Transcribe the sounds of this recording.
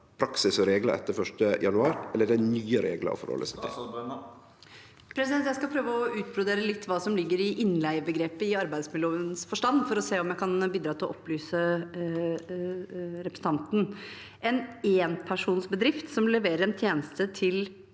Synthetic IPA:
pʰɾɑksɪsɾeːɡlə̰ʔɛ̰t̪ːəɾfœʂʈəjɑ̰nʉɑːɾɛlːəɖɛnyːəɾḛːɡlə̰ɔ̰fɔ̰ɾhɔ̰lːə̰sɪɪ̰ | pʰɾɛsɪd̪ɛnt̪jæɪskɑlpʰɾøːʋəɔʉːt̪̚bɾʊd̪eːɾəlɪt̪ːʋɑːsɔmlɪɡːəɾɪʔɪnlæɪəbəɡɾeːpəɪɑɾbæɪd̪smɪløːʋəənsfɔʂʈɑnfɔɾɔseːɔmjæɪkʰɑnbiːd̪ɾɑːt̪ɪlɔʔɔpːlyːsə | ɾɛpɾəsət̪ɑnt̪n̩ | ɛneːnpʰæʂuːnsbəd̪ɾɪft̪sɔmlɛʋeːɾəɾɛnt̪ʰjeːnəst̪ət̪ʰɪl

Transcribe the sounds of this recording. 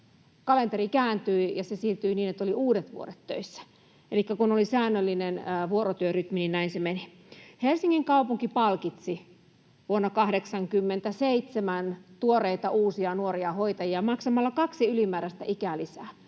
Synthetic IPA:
kɑlent̪eɾikæːnt̪yijɑsesirt̪yiniːnet̪ːoliuːdet̪ʋṵo̰ɾet̪ːø̰isːæ̥ | elikːækunolisæːnːølːinenʋuoɾot̪yøryt̪mininnæinsemeni | helsiŋːiŋkɑupuŋkipɑlkit̪si | ʋuonːɑkɑhdeksɑŋkymːent̪æseit̪semænt̪uoreit̪ɑʔuːsiɑnuoɾiɑhoit̪ɑjiɑmɑksɑmɑlːɑkɑksiylimæːɾæst̪æ̰ʔikælisæː

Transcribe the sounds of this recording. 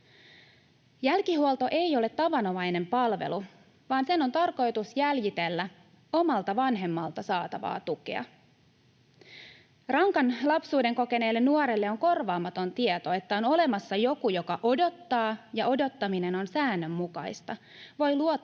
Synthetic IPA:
jælkiɦuolt̪o̞ʔe̞jo̞le̞t̪ːɑʋɑno̞ʋɑjne̞mpɑlʋe̞̰lu | ʋɑːnse̞no̞nt̪ɑrko̞jt̪usjæljit̪e̞lːæ | o̞mɑlt̪ɑʋɑnɦe̞mːɑlt̪ɑsɑːt̪ɑʋɑ̰ːt̪ukḛɑ̰ | rɑŋkɑnlɑpsuːde̞ŋko̞ke̞ne̞ːlːe̞nːuoɾelːeo̞ŋko̞rʋɑːmɑt̪o̞nt̪iet̪o̞e̞t̪ːæo̞no̞le̞mɑsːɑjo̞kujo̞kɑʔo̞do̞t̪ːɑːjɑo̞do̞t̪ːɑmine̞no̞nsæːnːø̞mːukɑjst̪ɑ | ʋo̞jluo

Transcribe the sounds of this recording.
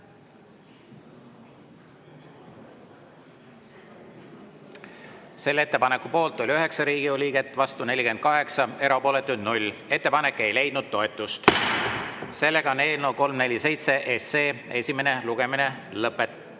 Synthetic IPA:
se̞lːe̞t̪ːe̞pɑnekupo̞ːlt̪ːˑo̞lʲøɦe̞ksɑɾiːɡ̥iolʲiːɡ̥e̞t̪ːˑvɑst̪une̞lʲike̞nd̪̥̚kɑɦe̞ksɑe̞ɾɑpo̞ːle̞t̪ːˑud̪nulʲe̞t̪ːe̞pɑne̞kːˑe̞jle̞jd̪̥̚nud̪̥̚t̪o̞et̪ːˑust̪ | se̞lːe̞ɡ̥ɑone̞ːlnowko̞lmne̞lʲːise̞jt̪se̞ʔeseːe̞sʲime̞ne̞luɡ̥e̞mine̞lɤpːˑet̪ːˑ

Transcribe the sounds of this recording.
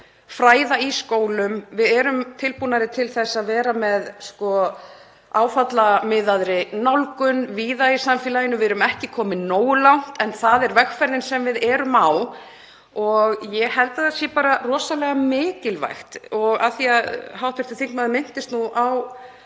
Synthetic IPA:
fɾaːjðaiskoːwlʏmvɪðɛɾʏmt̪ʰɪlpunaɾɪt̪ʰɪlθɛsːaðvɛːɾamɛðskɔ | aːwfat̪lamɪðaðɾɪnawlkʏnviːðaisamfɛːlajɪnːʏvɪɛɾʏmɛhcɪkʰɔːmɪnoːwʏlawn̥t̪ɛnθaðɛɾvɛxfɛɾðɪnsɛmvɪðɛɾʏmaw | ɔɣjɛɣhɛlt̪aðasjɛpaːɾarɔːsawlɛɣamɪːcɪlva̰jxt̪ɔɣa̰θiaðɦawht̪vɪ̥t̪ɪθiŋknmaðɪmɪn̥t̪ɪst̪nuʔaw

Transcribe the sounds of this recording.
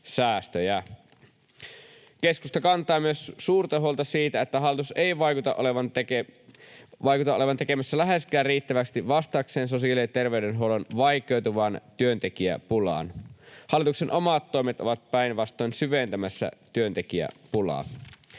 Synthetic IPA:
sæːst̪øjæ | keskust̪ɑkɑnt̪ˑɑːmyøssuːrt̪ɑɦuolt̪ɑsiːt̪æet̪ːæɦɑlːˑit̪useiʋɑjkut̪ɑʔoleʋɑnt̪eke | ʋɑjkut̪ɑʔoleʋɑnt̪ekemæsːælæɦeskæːrriːt̪ːæʋækst̪iʋɑst̪ɑkseːns̬osiɑlit̪erʋeydenɦolonʋɑjkˑeuwt̪uʋɑnt̪yønt̪ekiæ̰pulɑ̰ːnhɑlːˑit̪uksenʔomɑt̪ːoimet̪ʔoʋɑt̪̚pæinʋɑst̪ˑoinsyʋent̪æmæsːæ̰t̪yønt̪ekiæ̰pulɑ̰ː

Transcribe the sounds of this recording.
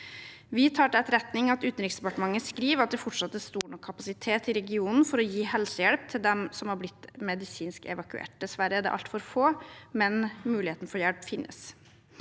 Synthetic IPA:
ʋɪt̪ʰɑːʈəɛt̪ɾɛt̪nɪŋɑt̪ʉːt̪n̩ɾɪksd̪ɛpɑʈəmɑŋːəskɾiːʋɑt̪̚d̪ɛfɔʈʂɑt̪ːəst̪uːɳɔkʰːɑpɑsɪt̪ʰeːt̪ɪɾɛɡɪuːnn̩fɔɾɔjiːhɛlsəjɛɽp̚t̪ʰɪld̪ɛmsɔmhɑɾblɪt̪ːmɛd̪ɪsiːnskɛ̰ʋɑkʉḛːʈ̚d̪ɛsʋæɾəæɖ̪ɛ̰ʔɑ̰lt̪fɔɾfoːmɛnmʉːɪheːt̪n̩fɔɾjɛɽpfɪnːʔə̰s

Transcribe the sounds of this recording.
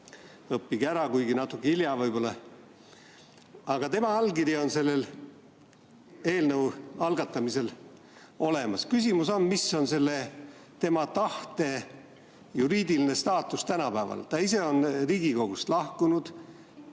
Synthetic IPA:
ɤpːiɡæɾɑkujɡinɑt̪ːˑukːˑeiljɑvɤjb̥o̞lːɑ | ɑɡ̥ɑt̪e̞mɑɑlkiɾjio̞nse̞lːe̞l | e̞ːlnɤwɑlɡ̥ɑt̪ːˑɑmise̞l | o̞le̞mɑskysʲimuso̞nmisːo̞nse̞lːe̞ | t̪e̞mɑt̪ɑht̪e̞ | juɾiːd̪̥iline̞st̪ɑːt̪ːˑust̪ænɑpæːvɑ̰lt̪ɑise̞o̞nriːɡiko̞ɡ̥ust̪lɑhkunud̪̥

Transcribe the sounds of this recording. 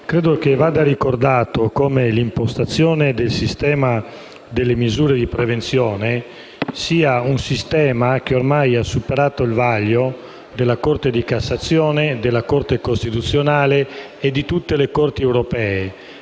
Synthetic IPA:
kɾeːd̪ok̟evaːd̪aɾikord̪aːt̪okomelimpost̪at̪sːjɔːned̪elsist̪ɛːma | d̪elːemizuːɾed̪ipɾevent̪sjɔːne | siːaunsist̪ɛːmak̟eormajasːupeɾaːt̪oilvaʎːo | d̪elːakort̪ed̪ikasːat̪sːjɔːned̪elːakort̪ekost̪it̪ut̪sːjonaːleː | d̪ːit̪ut̪ːelekort̪iɛwɾopɛːe

